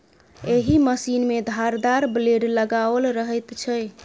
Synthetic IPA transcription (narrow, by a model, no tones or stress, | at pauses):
eɦiməsinmed̪ʱaɾd̪aɾbleɖləɡabəlɾəɦɛjt̪t͡ʃʰəj